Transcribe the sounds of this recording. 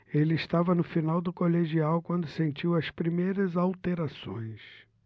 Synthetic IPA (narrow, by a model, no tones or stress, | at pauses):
elɪːst̪avɐnʊfinawd̪ʊkoleʒiawkwɐ̃nd̪ʊsẽnt͡ʃiwɐspɾimejɾɐzawt̪eɾasõ̰j̃s